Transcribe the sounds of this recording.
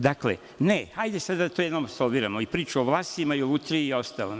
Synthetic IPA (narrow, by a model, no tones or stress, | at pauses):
d̪aklḛ | nehajd̪esad̪t̪ojɛnoːmsolʋiɾamoipɾiːt͡ʃuoʋlˠaːsimaiout̪ɾiio̞st̪alo̰m